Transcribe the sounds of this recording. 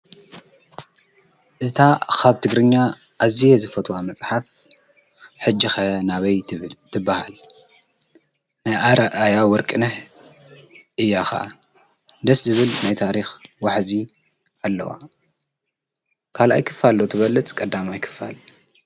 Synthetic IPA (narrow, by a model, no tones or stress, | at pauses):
ʔɨt̪ʰakʰaβt̪ʰɨɡɾɨɲːa | ʔːzijezɨfɐt̪ʰʼwamɐt͡sʼħaf | ħɨd͡ʒːixɐnaβɐjt̪ʰɨbːaha̰l | najʔaɾaʔajawɔɾkʼɨnɐħ | ʔɨjːaxa̰ʔa | d̪ɐszɨβɨlnajt̪ʰaɾixwaħzi | ʔalːɐ̰wa̰ | kʰalʔa̰jkʰɨ̥falːot̪ʰɨβɐlːɨt͡sʼkʼɐd̪ːamajkʰɨ̥fa̰l